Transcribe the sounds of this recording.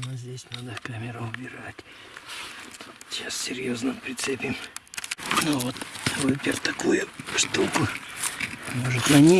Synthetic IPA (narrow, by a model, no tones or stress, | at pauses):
nozʲdʲesʲnad̪əkamʲɪɾəʊbʲɪɾatʲ | ɕasʲsʲɪɾʲjo̞znəmpɾʲɪt̪sɨpʲɪm | novot̪oɨpʲɪrt̪ɐkujʊʂt̪ukʊ | moʐɨt̪ʲɐnʲi